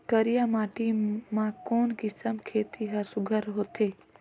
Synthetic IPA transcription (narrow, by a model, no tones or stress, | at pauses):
kəɾijamaːʈimãkoːnkɪsəmkʰeːt̪ʰiɦɐɾsʊɡʱəɾɦot̪ʰeː